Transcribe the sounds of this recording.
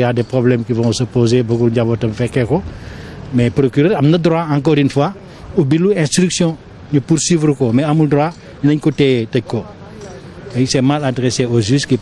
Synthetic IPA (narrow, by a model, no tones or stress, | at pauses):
jadepɾoblɛmkivɔ̃səpozebəkulɟabotɐmfɛkɛko | mɛpɾokyɾəɾɐmnɐdɾoaãŋkɔɾinfwa | ubiluɛ̃stɾyksjɔ̃ | ɲupuɾswiːvɾukomɛɐmuldɾoa | ɲinɐɲkotɛtɐɟ̚kːo | ɛsɛmaladɾeseoziski